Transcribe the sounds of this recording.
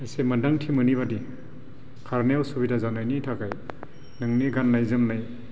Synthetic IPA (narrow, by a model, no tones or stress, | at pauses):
esemɯdaŋtʰimɯniβadi | kʰaɾnewsubitazanajnitʰakaj | nɯŋniɡanːajzɯmnaj